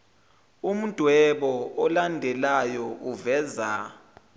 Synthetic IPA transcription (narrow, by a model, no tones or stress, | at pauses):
um̩d̥ʱwɛɓɔɔlandʱɛlajɔʔuvɛːza